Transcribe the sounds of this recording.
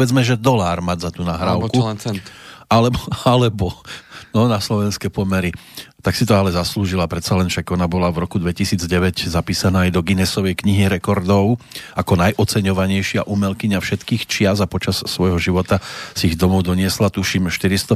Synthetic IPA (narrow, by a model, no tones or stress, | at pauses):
ɛd͡zmɛʒɛd̪ɔlaːɾmaɟzat̪unaɦɾaːʊku | alɛbalɛbɔnɔnaslɔʋɛnskɛpɔmɛɾit̪aksit̪ɔalɛzasluːʒilapɾɛt̪salɛnfʃakɔnabɔlavɾɔkud̪ʋɛcisiːd͡zɟɛʋɛɟzapiːsanaːjd̪ɔɡinɛsɔʋɛjkɲiɦiɾɛkɔɾd̪ɔʊakɔnajʔɔt͡sɛɲɔʋaɲɛjʃɪaʔumɛlkiɲafʃɛt̪kiːxt͡ʃɪazapɔt͡ʃasːʋɔjɦɔʒiʋɔt̪asiiɣd̪ɔmɔʊd̪ɔɲɪɛslat̪uʃimʃt̪iɾist̪ɔ